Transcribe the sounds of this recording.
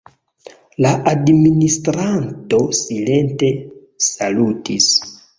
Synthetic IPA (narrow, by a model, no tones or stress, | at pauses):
laʔadministɾanto̞sile̞nte̞ | salutis